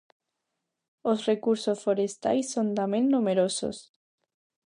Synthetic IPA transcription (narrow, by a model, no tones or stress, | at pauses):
osrekuɾsosfoɾest̪a̰jsːont̪amẽŋnumeɾoso̰s